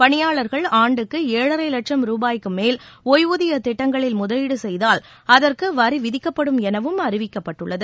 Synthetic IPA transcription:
pɐɳɪjaːɭɐɾɣɐɭaːɳɖɯkːɯeːɻɐɾɐɪlɐʈʂɐmɾuːbaːjkːɯmeːlɔjʋuðɪjɐt̪ɪʈːɐŋɡɐɭɪlmʊðɐjɪɽɯsɛjðaːl | ɐðɐrkɯʋɐɾiʋɪðɪkːɐpːɐɽɯmɛnɐʋɯmɐrɪʋɪkːɐpːɐʈːɯɭːɐðɯ

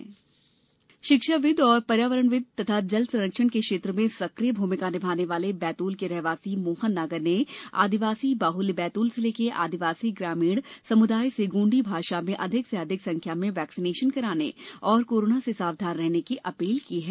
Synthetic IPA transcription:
ʃɪkʃaʋɪd̪ɔːɾpɐɾjaːʋəɾəɳʋɪd̪̚ʱt̪ɐt̪ʰad͡ʒɐlsɐ̃ɾəkʃənkekʃeːt̪ɾəmẽsɐkɾijəbʱuːmɪkaːnɪbʱaːneʋaːlebɛːt̪uːlkeɾɛːɦʋaːsimoːhənːaɡəɾnea̰ːd̪ɪʋaːsibaːɦʊlbɛːt̪uːlseleːkeʔa̰ːd̪ɪʋaːsiɡɾaːmiːɽsɐmʊd̪aːjseɡũːɳɖibʱaːʃamẽʔɐd̪ʱɪkseɐd̪ʱɪksɐ̃ŋkʰjamẽʋɛːksɪneːʃənkɐɾaːnḛɔːɾkoːɾoːnasesaːʋd̪ʱaːnɾɛɦnekiʔɐpiːlkiɦɛː

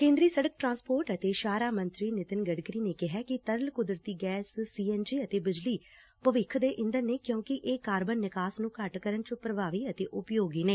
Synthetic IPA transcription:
kẽːnd̪ɾiːsəɽək̚ʈɾãːnspoːɾʈət̪eːʃaːɾaːmə̃nt̪ɾiːnɪt̪ɪnɡəɖkɾiːneːkɪɦɛːkɪt̪əɾəlkʊd̪ɾət̪iːɡɛːssiːɛːnd͡ʒiːət̪eːbɪd͡ʒliː | pəʋɪkʰd̪eːʔɪ̃nd̪əɾneːkjõːkɪʔeːkaːɾbənːɪkaːsnũːkəʈkəɾənt͡ʃopɾəʋaːʋiːət̪eːʔʊpjoːɡiːneː

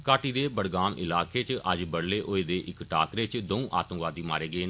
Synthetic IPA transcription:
kaːʈiːd̪eːbəɽɡaːmʔɪ̰laːkeːt͡ʃəd͡ʒbəɽleːʔoːeːd̪eːʔɪkʈaːkɾeːt͡ʃd̪oũːʔa̰ːt̪əmʋaːd̪iːma̰ːɾeːɡeː

